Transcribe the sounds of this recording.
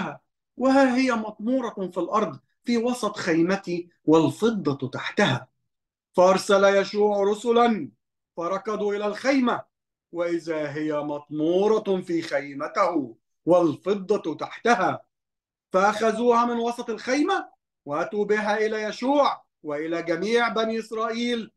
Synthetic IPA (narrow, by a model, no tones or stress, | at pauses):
a | wɪhaːɦɪjamɑt̪ˤmuːɾˤɑfilʔɑɾˤd̪ˤ | fiːwɑsˤɑt̪ˤxajmat̪i | walfɨd̪ˤːɑt̪aħt̪ahaː | fɑʔɑɾˤsalajaʃuːʕɾˤʊsʊlan | fɑɾˤɑkɑd̪ˤuːʔɪlalxajma | wɪʔɪðaɦɪjamɑt̪ˤmuːɾˤɑfiːxajmat̪ahʊ | walfɨd̪ˤːɑt̪aħt̪ahaː | faʔaxazuːhamɪnwɑsˤɑt̪ˤɪlxajma | waʔat̪uːbɪɦaːʔɪlaːjaʃuːʕ | wɪʔɪlaːɡamiːʕbaniːʔɪsɾˤɑːʔiːl